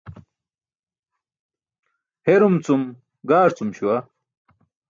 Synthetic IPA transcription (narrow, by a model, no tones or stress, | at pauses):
heɾumt͡sum | ɡaːɾt͡sumɕuwɐ